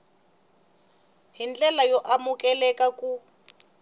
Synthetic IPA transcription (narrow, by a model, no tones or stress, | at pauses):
ɦind͡ɮɛlajɔʔamukɛlɛkaku